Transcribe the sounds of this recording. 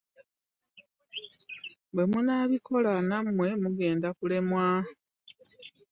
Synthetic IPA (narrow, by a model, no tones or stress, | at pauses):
bwe̞munaβikʰo̞lanamwe̞muɡe̞ːndakule̞mwa